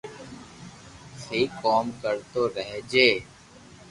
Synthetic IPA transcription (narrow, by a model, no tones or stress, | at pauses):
siːkɔːmkəɾt̪oːɾəɦd͡ʒeː